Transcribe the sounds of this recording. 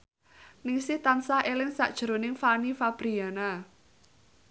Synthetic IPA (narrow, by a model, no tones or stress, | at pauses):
nɪŋsɪht̪ansaʔelɪŋsa̰ʔd̥ʒ̥ɾo̤nɪŋfanifab̥ɾiana